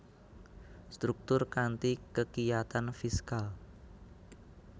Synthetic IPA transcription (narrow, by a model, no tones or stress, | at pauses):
st̪ɾuk̚t̪ʊrkant̪ikəkijat̪anfiskal